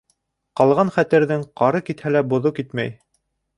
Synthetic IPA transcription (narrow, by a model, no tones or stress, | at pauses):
qɑlˠʁɑnχæt̪ɘ̆ɾðɘŋqɑɾɤkit̪hælæbŏðokit̪mæ̰j